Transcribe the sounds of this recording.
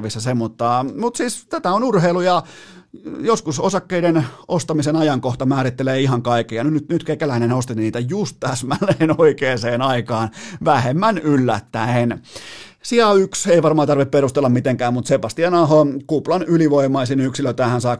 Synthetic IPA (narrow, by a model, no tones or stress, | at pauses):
ʋisːɑsemːut̪ːɑːmut̪siːst̪æt̪æonurheilujɑ | joskusosɑkːeidenost̪ɑmisenɑjɑŋkoht̪ɑmæːɾit̪ːeleːiɦɑŋkɑikːejɑnynyt̪nyt̪kekːælæinenost̪inniːt̪æjust̪t̪æsmænːˑeːnoikeːseːnɑikɑːnʋæhemːænylːæ̰t̪ːæen | siæykseiʋɑrmɑːt̪ɑrʋipperust̪elːɑmmit̪eŋkæːmmut̪sepɑst̪iɑnɑɦokuplɑnyliʋoimˑɑisinyksiløt̪æːhænsɑː